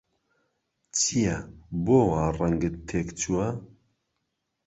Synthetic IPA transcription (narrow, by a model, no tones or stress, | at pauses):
t͡sʰijɛboːwaːrɐŋɡɨt̪ʰːeːkt͡ʃʰuwɐ